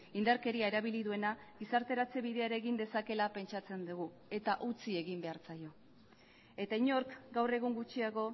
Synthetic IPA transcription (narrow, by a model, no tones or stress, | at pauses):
ind̪aɾke̞ɾiaeɾaβ̞iliðue̞naɡisaɾt̪e̞ɾat͡se̞βiðe̞aɾeɣind̪e̞sake̞lape̞nt͡ʃat͡se̞nd̪uɣu | e̞t̪aʔut͡sie̞ɣimbe̞aɾt͡sajo̞ | e̞t̪aiɲo̞ɾkɡawre̞ɣ̞uŋɡut͡ʃiaɣo̞